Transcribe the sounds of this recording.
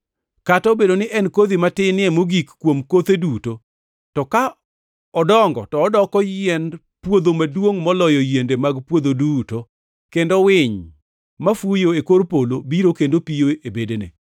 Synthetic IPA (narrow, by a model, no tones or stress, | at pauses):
katɔbedonɪʔɛnkod̪imatɪnɪɛmoɡikkːwomkot̪eduto | tɔka | ɔdɔŋɡɔ̰tɔːdɔkɔjɛn | pwod̪omadwoŋmɔlɔjɔjendemaɡpwod̪oduto | kendowɪɲ | mafujoekoɾpolobiɾokendopijoebedenḛ